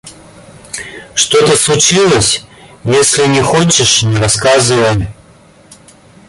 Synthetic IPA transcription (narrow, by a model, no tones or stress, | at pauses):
ʂt̪ot̪əslˠʊt͡ɕilˠəsʲjesʲlʲɪnʲɪxot͡ɕɪʂnʲɪɾɐskazɨvəjɪm